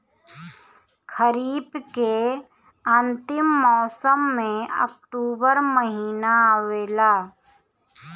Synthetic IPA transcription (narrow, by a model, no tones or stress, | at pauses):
kʰəɾiːbke | ə̃nt̪ɪmːɔːsəmːẽə̰k̚ʈuːbəɾməɦiːnaweːlaː